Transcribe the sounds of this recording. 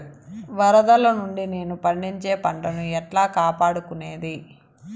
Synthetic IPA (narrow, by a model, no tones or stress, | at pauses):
ʋɐɾɐd̪ɐlɐnuɳɖine̞ːnupɐɳɖiɲt͡ʃe̞ːpɐɳʈɐnuɛʈlaːkaːpaːɽukune̞ːd̪i